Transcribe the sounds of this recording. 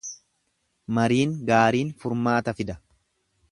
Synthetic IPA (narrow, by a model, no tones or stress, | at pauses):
mɐɾiːŋɡaːɾiːnfʊɾmaːt̪ɐfɪd̪ɐ